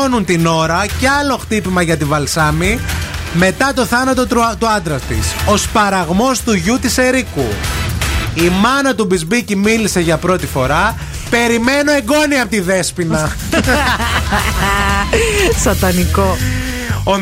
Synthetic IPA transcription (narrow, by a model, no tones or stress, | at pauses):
onunt̪ino̞ɾɐceɐlo̞xt̪ipimɐʝɐt̪ivɐlsɐmime̞t̪ɐt̪o̞θɐnɐt̪o̞t̪t̪uɐnd̪ɾɐt̪ḭso̞spɐɾɐɣmo̞st̪uʝut̪ise̞ɾiku | imɐnɐt̪ubizbicimilise̞ʝɐpɾo̞t̪ifo̞ɾɐ | pe̞ɾime̞noe̞ɡo̞niɐpot̪iðe̞spinɐ | sɐt̪ɐniko | o